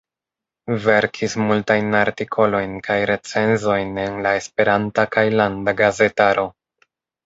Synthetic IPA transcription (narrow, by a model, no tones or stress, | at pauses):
ve̞ɾkʰismultajnaɾtikʰo̞lo̞jnkajɾe̞t͡se̞nzo̞jne̞nlae̞spe̞ɾantakajlandaɡaze̞taɾo̞